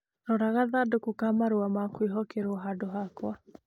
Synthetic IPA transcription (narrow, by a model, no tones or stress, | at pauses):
ɾɔɾaɣaðadokokamaɾuamakwiɦɔkeɾwɔɦadoɦakwa